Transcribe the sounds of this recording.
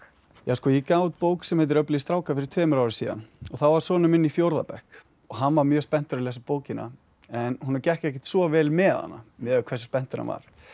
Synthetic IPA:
jaskɔːjɛkaːwt̪̚poːwksɛmhɛt̪̬ɪɾœpliist̪ɾaːwkafɪɾɪɾ̥t̪ʰvɛːmʏɾawɾɪsiːða̰nɔθawvaɾ̥sɔːnʏmɪnːifjowɾða̰pɛhk | ɔɣɦanːvaɾmjœːspɛn̥t̪ʏɾlɛsapoːwcɪnːa̰ | ɛnhunaɾcɛhcɛhcɛ̥t̪svɔvɛːlmɛa̰nːa̰mɛʏkʰvɛsḁspɛn̥t̪ʏɾna̰va̰ɾ̥

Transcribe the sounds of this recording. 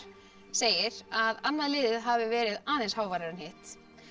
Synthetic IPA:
seːjɪɾaðanːaðlɪːðɪðɦavɪvɛːɾɪðaːðenshaːwvaːjɾaɾɪnheht̪

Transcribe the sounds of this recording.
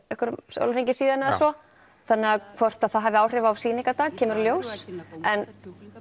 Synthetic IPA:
ɛhkʏɾso̰wlɾejɲcɪsiːðanɪðasvɔ | θanːɪaðkʰvɔr̥t̪aðθaðɦaːvɪaːwr̥ɪvaavsiːnɪŋkat̪aːɣcʰɛːmʏɾɔljoːwsɛn

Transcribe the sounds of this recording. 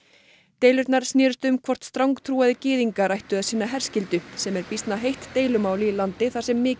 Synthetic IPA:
t̪ejlʏɾt̪naɾ̥snjɛːɾʏst̪ʏmkʰvɔr̥t̪st̪ɾawŋkt̪ʰɾuːaðɪcɪːðiŋkaɾajht̪ʏaðsiːnaɦɛr̥scɪlt̪ʏsɛmɛɾpist̪naɦejht̪ːeːjlʏmaːwliːlant̪ɪθḁsɛmːɪː

